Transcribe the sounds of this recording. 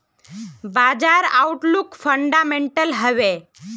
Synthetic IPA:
bad͡ʒaɾauʈlukfʰəɳɖameɳʈəlɦəʋe

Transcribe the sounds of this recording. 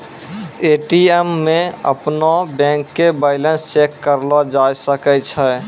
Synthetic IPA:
eʈiɛmːẽə̰pnobɛ̃ŋkːebaɪlə̃nst͡ʃekːəɾlɔd͡ʒajsəkɛt͡ʃʰɛ

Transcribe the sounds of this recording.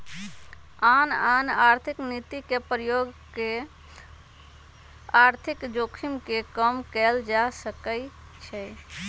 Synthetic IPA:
ananaɾt̪ʰiknit̪ikepɾəjoɡke | aɾt̪ʰikd͡ʒokʰimkekəmkɛld͡ʒasəkə | t͡ʃʰɛ

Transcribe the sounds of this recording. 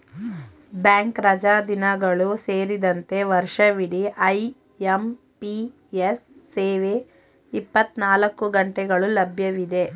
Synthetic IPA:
bjaːŋkɾɐd͡ʒaːd̪inɐɡɐɭuse̞ːɾid̪ɐnt̪e̞ʋɐɾʃɐʋiɽiʔɐj | em | pi | esːeːʋe | ipːɐt̪naːlɐkːuɡɐɳʈɛɡɐɭulɐbʱjɐʋid̪e̞

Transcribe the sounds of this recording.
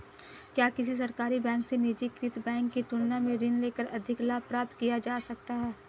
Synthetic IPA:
kjaːkɪs̬is̬ɐɾkaːɾibɛ̃ːŋksenɪd͡ʒikɾɪt̪bɛ̃ːŋkːit̪ʊnnamẽɾɪnleːkəɾʔɐd̪ʱɪklaːpɾaːp̚t̪kijad͡ʒaːsɐk̚t̪aɦɛː

